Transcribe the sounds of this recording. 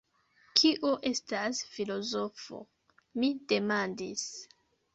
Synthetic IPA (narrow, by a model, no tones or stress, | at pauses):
kʰiʔoʔe̞stasfilo̞zo̞fo̞̰ | mid̥e̞mandis